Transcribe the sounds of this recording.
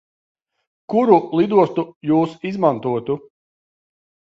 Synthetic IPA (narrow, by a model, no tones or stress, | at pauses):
kuɾulˠid̪uɔst̪ujuːsizmant̪uɔt̪u